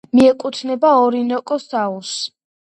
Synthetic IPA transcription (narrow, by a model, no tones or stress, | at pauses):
miɛkʼut̪ʰnɛbaɔɾinɔkʼɔsaus